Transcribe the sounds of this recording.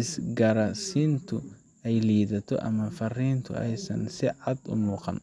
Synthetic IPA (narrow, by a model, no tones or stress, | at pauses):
ɪsɡɐɾɐsint̪ʰʊ | ɛjliːðɐt̪ʰɔ̰ʔɐ̰mɐfɐriːnt̪ʰʊ̰ɛjsɐ̰nsɪʕɑd̪ʊ̰muːqɑ̰n